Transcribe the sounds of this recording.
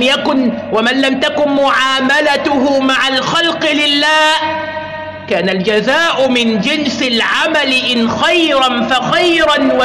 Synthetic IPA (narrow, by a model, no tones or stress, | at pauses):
jakʊn | wamanlamt̪akʊnmʊʕaːmalat̪ʊɦʊmaʕalxalqɨlɪlːaːh | kaːnald͡ʒazaːʔʊmɪnd͡ʒɪnsɪlʕamalɪʔɪnxajɾanfaxajɾanwa